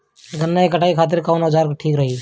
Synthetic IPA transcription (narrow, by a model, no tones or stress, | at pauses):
ɡənːaːikəʈaːiːkʰaːt̪̬ɪɾkaːnəd͡ʒaːɾʈʰiːkɾəɦiː